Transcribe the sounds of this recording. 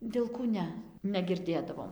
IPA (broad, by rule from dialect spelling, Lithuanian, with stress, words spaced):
ʋʲɪlˠˈkuː ˈnʲɛ nʲɛɡʲɪrʲˈdʲeːdɐʋoːm